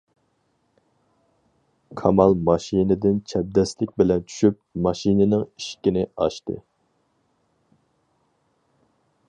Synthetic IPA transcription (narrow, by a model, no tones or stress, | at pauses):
kʰɑmɑlˠmɑʃinɪd̪ɪnt͡ʃʰɛb̚d̪ɛslɪkʲbɪlɛnt͡ʃʰy̥ʃypmɑʃinɪnɪŋiʃkʲinɪɑ̰ʃt̪ɨ̰